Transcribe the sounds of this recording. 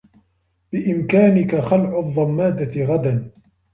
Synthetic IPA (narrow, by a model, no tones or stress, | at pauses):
bɪʔɪmkaːnɪkaxalʕʊðˤːɑmːaːd̪aɪɣad̪an